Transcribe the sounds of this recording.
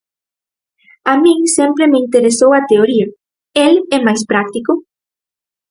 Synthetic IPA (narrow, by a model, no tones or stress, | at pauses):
amĩŋsempɾemeint̪eɾesowɐt̪eoɾiɐ | elɛmajspɾak̚t̪ikʊ